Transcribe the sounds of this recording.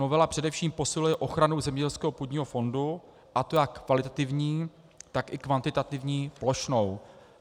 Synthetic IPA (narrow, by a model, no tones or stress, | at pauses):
novɛlapr̝̥ɛdɛfʃiːmpo̞sɪlujɛʔo̞xɾanowzɛmɲɛɟɛlskɛːɦo̞pud̪ɲiːɦofo̞ndu | ʔat̪o̞jakːvalɪt̪at̪ɪvɲiː | t̪akɪkvant̪ɪt̪at̪ɪvɲiːplo̞ʃno̞w